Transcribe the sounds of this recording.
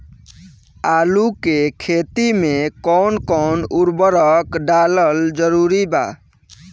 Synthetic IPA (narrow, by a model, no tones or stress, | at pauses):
alukekʰet̪imekɔnkɔnuɾbəɾəkɖaləld͡ʒəɾuɾiba̰